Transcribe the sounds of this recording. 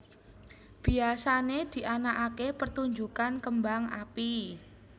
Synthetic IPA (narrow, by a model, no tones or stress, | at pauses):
b̥i̤asaned̪̥i̤ʔanaʔakepərt̪uɲd͡ʒukankəmbaŋa̰pi